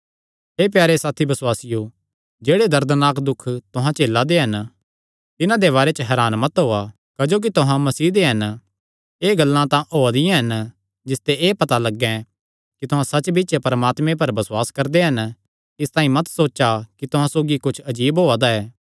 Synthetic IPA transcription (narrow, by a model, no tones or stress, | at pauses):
eːp̬jaːɾesaːt̪ʰibɐswaːsɪjo | d͡ʒeːɽed̪ɐɾd̪naːkd̪ʊkʰt̪ʊɦãt͡ʃeːlːad̪eɦɐn | t̪ɪnãd̪eβaːɾet͡ʃəɦɛːɾaːnmɐt̪ɦoːa | kɐd͡ʒoːk̬it̪ʊɦãmɐsiːd̪eɦɐn | eːɡɐlːãt̪ãʔoːad̪ɪ̃jãɦɐn | d͡ʒɪst̪eʔeːpɐt̪alɐɡːɛ̃ | kit̪ʊɦãsɐt͡ʃbɪːt͡ʃepɐɾəmaːt̪mẽp̬ɐɾbɐswaːskɐɾd̪eɦɐn | ɪst̪ãːĩmɐt̪soːt͡ʃakit̪ʊɦãsoːɡikʊt͡ʃʰɐd͡ʒiːbɦoːad̪aɛː